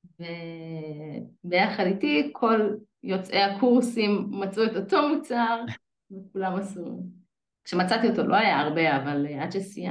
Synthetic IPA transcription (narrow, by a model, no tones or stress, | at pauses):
ve | bejaχaditikʰo̞l | jo̞t͡sʔehakuʁsimːat͡sʔuetoto̞mut͡saʁ | vekulamasḭ | kʃemat͡sat̪io̞t̪o̞lʔo̞ajaaʁbe̞avaladʃesija